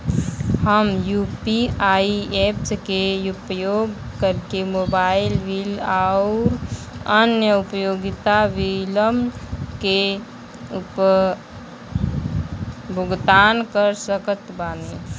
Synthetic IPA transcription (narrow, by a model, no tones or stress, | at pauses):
həmjuːpiaiepskeupjoːɡkəɾkemobaːɪlʋilaʊɾ | ənjəupjoːɡɪt̪aʋiləmke | up | bʱʊɡt̪ankəɾsəkət̪baːne